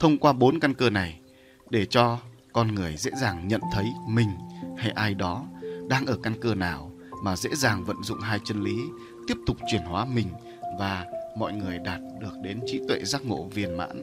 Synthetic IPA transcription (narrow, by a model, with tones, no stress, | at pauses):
t̪ʰə˧wŋ͡mkwaː˧ɓo˨˦nka˧nkəː˧na˨˩j | ɗe˧˩t͡ɕɔ˧ | kɔ˧nŋɨ˨˩əjzḛ˧˥zaː˨˩ŋɲə̰˧˨nt̪ʰə˨˦jmï˨˩ŋ̟ha˧jʔaː˧jɗɔ˨˦ɗaː˧ŋʔəː˧˩ka˧nkəː˧naː˨˩w | maː˨˩zḛ˧˥zaː˨˩ŋvə̰˧˨nzʊ̰˧˨ŋ͡mɦaː˧jt͡ɕə˧nli˨˦ | t̪i˦˥əp̚t̪ʊ˨˩k͡p̚t͡ɕwi˧˩ənhwaː˨˦mï˨˩ŋ̟ | vaː˨˩mɔ̰˧˨jŋɨ˨˩əjɗaː˨˩t̚ɗɨ˨˩ək̚ɗe˨˦nt͡ɕi˨˦t̪wḛ˧˨zaː˦˥k̚ŋo̰˧˥vi˨˩ənma̰ː˧˥n